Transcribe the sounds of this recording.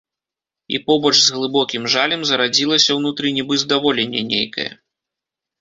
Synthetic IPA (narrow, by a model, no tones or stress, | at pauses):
ḭpɔbɔt͡ʂzɣlˠɨbɔkʲimʐalʲɛmzɐɾad͡zʲilˠɐsʲɐwnut̪ɾɨnʲɛbɨzd̪avɔlʲenʲːɛ̰nʲḛjkɐ̰jɛ̰